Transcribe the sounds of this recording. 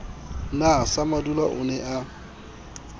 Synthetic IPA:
nasamadulaʔʊ̰nɛʔa

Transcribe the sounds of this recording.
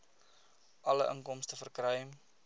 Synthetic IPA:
ʔɐləʔəŋkɔmstəfərkrœjm

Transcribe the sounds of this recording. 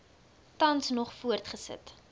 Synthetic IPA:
tɐnsnɔχfuərtχəsə̰t

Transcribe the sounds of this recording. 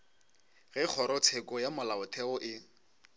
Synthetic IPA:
ɣɛk͡xʰɔɾɔt͡sʰekʼɔjamʊlaʊtʰɛɔʔɪ

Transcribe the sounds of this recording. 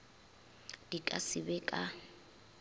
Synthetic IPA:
d̥ikʼa̰sɪbɛkʼa

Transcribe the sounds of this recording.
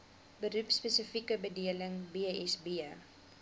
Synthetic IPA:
bəɾupspəsəfikəbədiələŋbiəɛsbi

